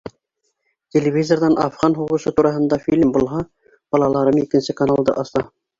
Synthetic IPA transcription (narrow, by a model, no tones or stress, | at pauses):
tʲelʲevʲizord̪ɑnʔɑfʁɑnɦuʁusɤt̪uɾɑɦɤ̆nd̪ɑfʲilʲmbulˠɦɑ | b̥ɒlˠɑlˠɑɾɤmikɘ̆nsɘkanalˠd̪ɤ̰ʔɑst̪ɑ